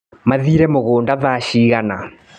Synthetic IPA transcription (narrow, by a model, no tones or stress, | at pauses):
maðiːɾɛmoɣoːndaðaʃiːɣana